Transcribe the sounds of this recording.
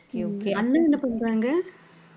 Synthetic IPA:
keokeɐnːɐɛnːɐpɐɳːɾaːŋɡɐ

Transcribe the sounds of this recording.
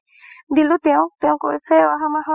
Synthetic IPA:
dilʊtɛʊ̃tɛʊ̃ko̰ɹisɛaɦamaɦa

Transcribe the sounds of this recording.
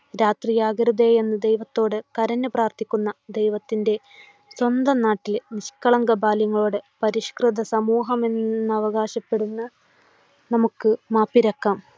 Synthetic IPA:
ɾaːt̪rijaːɡɐɾud̪eje̞nːɨd̪e̞jʋɐt̪ːo̞ːɽɨkɐɾɐnːɨpraːrt̪ikʲːunːɐd̪e̞jʋɐt̪ːinde̞ | swɐnd̪ɐnaːʈːilniɕkɐɭɐŋɡɐbaːljɐŋːɐɭo̞ːɽɨpɐɾiɕkrɨðɐsɐmuːɦɐme̞nːɨɐʋɐɣaːɕɐpːe̞ɽunːɐ | nɐmukːɨmaːpːiɾɐkːaːm

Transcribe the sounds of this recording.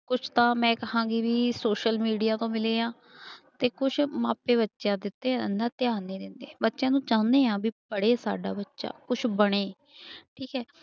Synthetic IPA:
kʊt͡ʃʰt̪ãːmɛ̃ːkəɦãːɡiːʋiːsoːʃəlmiːɖijaːt̪õːmɪleːãː | t̪eːkʊt͡ʃʰmaːpeːbətːʃjãːd̪ɪt̪ːẽːnat̪ɪjaːneːd̪ɪ̃nd̪eːbətːʃãːnũːt͡ʃãːnd̪eːãːbiːpəɽeːsa̰ːɖa̰ːbətːʃa̰ːkʊt͡ʃʰbəɽ̃eː | ʈʰiːkɛː

